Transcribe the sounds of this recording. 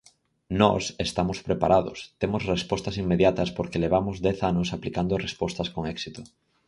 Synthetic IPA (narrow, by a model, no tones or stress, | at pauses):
nɔ̰sest̪amʊspɾepaɾaðʊst̪emʊsrespɔst̪ɐsimːeðjat̪ɐspoɾkeleβ̞amʊzd̪ɛθanʊsaplikand̪orespɔst̪ɐskoŋɛksit̪ʊ